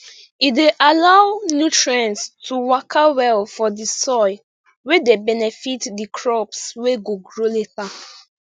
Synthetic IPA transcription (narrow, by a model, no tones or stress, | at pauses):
ideʔalawnjutʰɹɛ̃nstʰuwakʰawɛlfɔdisɔɪ | wedebɛnɛfitdikʰɹɔpsweɡoɡɹoleta